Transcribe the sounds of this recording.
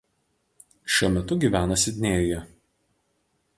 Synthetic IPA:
ʃʲuɔmʲɛt̪ʊɡʲiːˑʋʲæːnɐsʲɪd̪ʲnʲeːjʊjɛ

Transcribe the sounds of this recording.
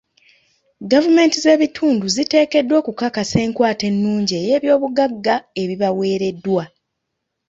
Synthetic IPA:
ɡavume̞ːntize̞ːβitʰuːnduzite̞ːke̞dːwo̞kukakase̞ːŋkwaːte̞nːuːɲɟejeːβjo̞ːβuɡaɡːae̞βiβawe̞ːɾe̞dːwa

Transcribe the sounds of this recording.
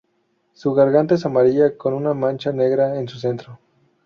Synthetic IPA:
suɣaɾɣant̪esamaɾiakonunamãnt͡ʃane̞ɣɾaensuse̞nt̪ɾo

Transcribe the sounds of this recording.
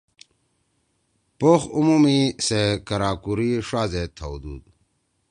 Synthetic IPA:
poxumumisekəɾaːkuɾiʂaːzet̪ʰaud̪ṵːd̪

